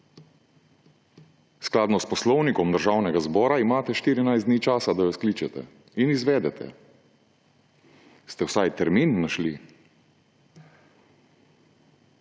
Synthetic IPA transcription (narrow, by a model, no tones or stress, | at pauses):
sklaːd̪nɔspɔslɔwnikɔmd̪əɾʒaːwnɛɡazbɔːɾaimaːt̪ɛʃt̪iːɾinajzd̪niːt͡ʃaːsad̪ajɔskliːt͡ʃɛt̪ɛ̰ | inizʋɛːd̪ɛt̪ʰɛ̰ | st̪ɛwsajt̪ɛɾminːaʃli